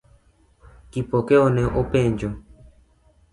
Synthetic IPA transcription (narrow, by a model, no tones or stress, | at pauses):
kipɔkɛɔnɛʔopɛɲd͡ʒɔ